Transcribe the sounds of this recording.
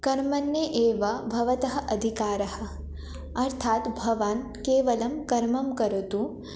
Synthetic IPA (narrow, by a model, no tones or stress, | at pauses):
kɐɾmɐnjeʔeːʋɐbʱɐʋɐt̪ɐɦɐʔɐd̪ʱikaːɾɐhɐ̆ | ɐɾt̪ʰaːt̪bʱɐʋan | keːʋɐlɐmkɐɾmɐmkɐɾut̪u